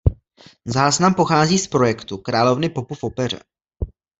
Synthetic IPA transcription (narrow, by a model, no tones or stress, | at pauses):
zaːznampo̞xaːziːspɾo̞jɛkt̪ukɾaːlo̞vnɪpo̞pufopɛr̝ɛ̰